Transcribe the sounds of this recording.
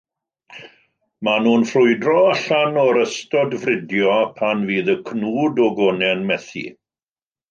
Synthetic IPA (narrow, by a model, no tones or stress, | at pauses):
manuːnfrʊɨdrɔaɬanɔɾəstɔdvrɪdjɔpʰanviːðəkʰnuːdɔɡɔnɛnmɛθḭ